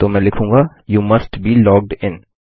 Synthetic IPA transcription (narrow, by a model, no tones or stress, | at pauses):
t̪omɛ̃lɪkʰũːŋɡa | juːmɐsʈbʱiːlɔːɡ̚ɖɪ̃n